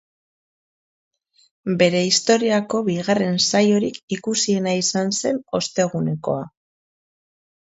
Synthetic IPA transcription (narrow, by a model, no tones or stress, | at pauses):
be̞ɾe̞ist̪o̞ɾiako̞βiɣare̞nsajo̞ɾikikusie̞naisanse̞no̞st̪e̞ɣ̞une̞ko̞a